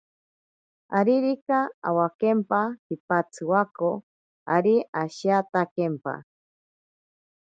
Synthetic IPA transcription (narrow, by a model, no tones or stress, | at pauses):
aɾiɾikaa̰wakempahipat͡sʰɨwako | aɾiaʃiat̪akempa̰